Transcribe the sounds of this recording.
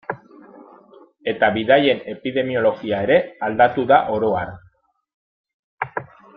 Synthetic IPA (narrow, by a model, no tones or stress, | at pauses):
e̞t̪aβiðaje̞ne̞piðe̞mio̞lo̞ɣiae̞ɾe̞ald̪at̪uðaʔo̞ɾo̞aɾ